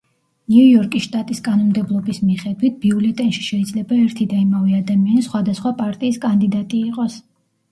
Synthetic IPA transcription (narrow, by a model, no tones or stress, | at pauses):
nuujɔɾkʼiʃt̪ʼat̪ʼiskʼanɔnmd̪ɛblˠɔbismiχɛd̪wit̪̚ʰb̥iulɛt̪ʼɛnʃi̥ʃɛid̪zlɛbaɛɾt̪ʰid̪aimaviad̪amianisχwad̪asχwapʼaɾt̪ʼiːskʼand̪id̪at̪ʼiːqʼɔs